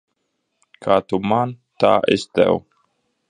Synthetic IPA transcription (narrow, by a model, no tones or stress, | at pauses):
kʰat̪umant̪a̰ʔḛst̪ɛ̰w